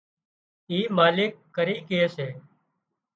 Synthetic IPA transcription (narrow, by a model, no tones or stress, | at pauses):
iːmaːlɪkːəɾiːkeeːseː